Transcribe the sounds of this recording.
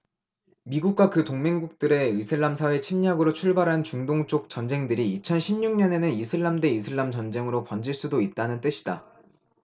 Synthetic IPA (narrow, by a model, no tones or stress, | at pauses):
miɡuk̚k͈wakɯtoŋme̞ŋɡuk̚t͈ɯɾe̞isʰɯɭːamsʰawe̞t͡ɕʰimɲaɡɯɾot͡ɕʰuɭbaɾɦant͡ɕuŋdoŋt͡ɕ͈ʰok̚t͡ɕ͈ʌnd͡ʑe̞ŋdɯɾiːt͡ɕʰʌnɕʰimɲuŋɲʌne̞nɯnisʰɯɭːamde̞isʰɯɭːamt͡ɕʌnd͡ʑe̞ŋɯɾopʌnd͡ʑiɭs͈udoit̚t͈anɯnt͈ɯɕʰi̥da̰